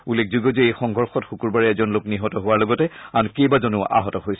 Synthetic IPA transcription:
ulek̚ʰzuɡɔzɛejxɔŋʱɔɹxɔtxukuɹbaɹɛɛzɔnlokniɦɔtɔɦowaɹlɔɡɔtɛankejbazonʊ̰ʔa̰ɦɔtɔɦojsɛ

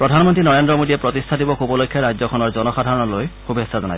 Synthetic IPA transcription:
pɹɔdʱanmɔntɹinɔɹendɹɔmodiɛpɹɔtistʰadibɔxubɔlojkʰːjaɹajd͡ʑzɔkʰɔnɔɹzɔnɔxadʱaɹɔnɔlojkubʱesːazɔnaj

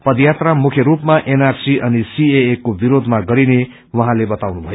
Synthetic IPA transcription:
pʌd̪jat̪ramukʰjʌɾupmaʔenarsiʔʌnisieːkːobiɾod̪ʱmaɡʌɾine | wʌɦãlebʌt̪awnubʱʌjo

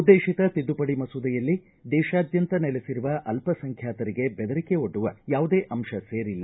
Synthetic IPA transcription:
ud̪ːeːʃit̪ɐt̪id̪ːupɐɽimɐsud̪ɐjɐlːi | d̪ɛːʃaːd̪jɐnt̪ɐnɛlesiɾuʋɐʔɐlpɐsɐŋkʰjaːt̪ɐɾiɡe̞bɛd̪ɐɾikeoɖːuʋɐjaːʋud̪eːʔɐmʃɐseːɾilːɐ

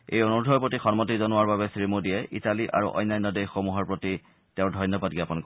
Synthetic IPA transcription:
ejonodʱɔjpɹotixɔnmɔtizɔnʊaɹbabɛsɹimudijɛʔḭtaliʔa̰ɹṵʔɔ̰jnːajnːɔdejxomuɦɔɹpɹoti | teʊ̃dʱɔjnjɔbadɡiapɔnk

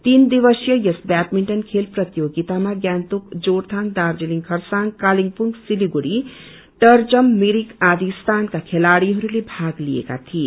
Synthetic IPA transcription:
t̪ind̪iβʌsjʌjʌsbat̪miɳʈʌnkʰelprʌt̪joɡit̪amaɡjant̪ukd͡zoɾt̪ʰaŋd̪ard͡zeliŋkʰʌrsaŋkaliŋɡpuŋɡsiliɡuɾi | ʈʌrd͡zʌmːiɾikad̪ist̪ʰankakʰelaɽiɦʌɾulebʱaɡlijḛka̰t̪ʰie

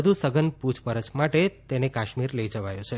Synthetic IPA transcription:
əd̪ʱusəɡənpud͡ʒpəɾət͡ʃmaʈet̪enekaʃmiɾləid͡ʒəʋajũt͡ʃʰe

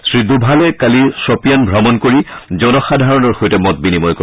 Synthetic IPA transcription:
sɹidubʱalɛkalisɔpijanbʱɹamɔnkoɹizɔnɔxadʱaɹɔnɔɹxojtɛmɔt̚binimɔjkɔ

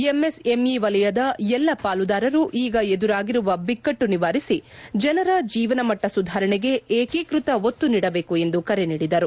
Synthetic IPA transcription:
emese̞miʋɐlɐjɐd̪ɐɛlːɐpaːlud̪aːɾɐɾuʔiːɡɐe̞d̪uɾaːɡiɾuʋɐbikːɐʈːuniʋaːɾisid͡ʒɐnɐɾɐd͡ʒiːʋɐnɐmɐʈːɐsud̪ʱaːɾɐɳɛɡe̞eːkikɾut̪ɐot̪ːuniːɽɐbe̞ːkue̞nd̪ukɐɾeniːɽid̪ɐɾu

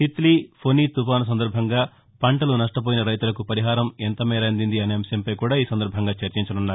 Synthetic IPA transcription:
sit̪liːpʰoniːt̪upaːnɐs̬ɐnd̪ɐɾbʱɐŋɡaː | pɐɳʈɐlunɐʂʈɐp̬oːjinɐɾɐjt̪ulɐkupɐɾiɦaːɾɐment̪ɐmɛːɾɐɐnd̪ind̪iɐneːmsjɐmpɐjkuːɽaːiːsɐnd̪ɐɾbʱɐŋɡaːt͡ʃɐɾt͡ʃiɲt͡ʃɐnunːaːɾ

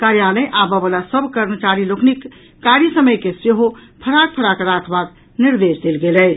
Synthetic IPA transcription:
kaɾjaləjʔabəbəlasəbʱkəɾmət͡ʃaɾiloknikː | aɾisəməjkeseɦopʰəɾak̚pʰəɾakəɾak̪ʰbak | niɾd̪esd̪elɡeləj

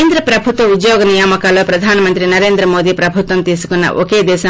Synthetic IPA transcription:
nd̪ɾɐpɾɐbʱut̪wɔud̪joɡɔnijamɔkalɔpɾɔd̪ʱanɔmɐnt̪ɾinɐɾend̪ɾɐmod̪ipɾɐbʱut̪ɔnt̪isu̥kuna̰ʔo̰ked̪es

